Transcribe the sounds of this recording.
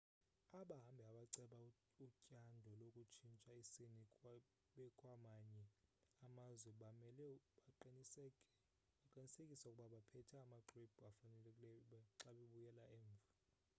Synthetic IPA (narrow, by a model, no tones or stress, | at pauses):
aɓaɦambʱiaɓaǀɛɓa | ucʼandʱɔlokʼut͡ʃʰint͡ʃʼaisini | ɓɛkʼwamaɲɛamazwɛɓamɛlɛɓaǃinisɛ | ɓaǃinisekʼisaukʼuɓaɓapʰɛtʰɛːmaǃrip̚ʰafanɛlɛlɛɓaǁaɓeɓujɛlaɛːɱvʱa